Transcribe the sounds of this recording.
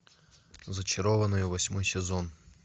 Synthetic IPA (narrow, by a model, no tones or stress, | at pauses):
zət͡ɕɪɾovənɨjʊvɐsʲmojsʲɪzon